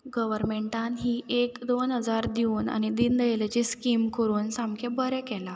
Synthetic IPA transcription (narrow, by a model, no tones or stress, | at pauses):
ɡəʋəɾmeɳʈãnɦiːʔekd̪onɦəd͡zaɾd̪iuːna̰ñid̪ind̪əjlat͡ɕiskimkəɾuːnsamkʰebəɾɛkɛla